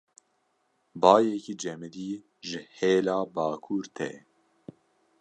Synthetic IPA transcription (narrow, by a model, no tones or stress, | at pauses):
bɑːjɛkiːd͡ʒɛmɨd̪iː | ʒɨheːlɑːbɑːkʰuːɾt̪ʰɛ̰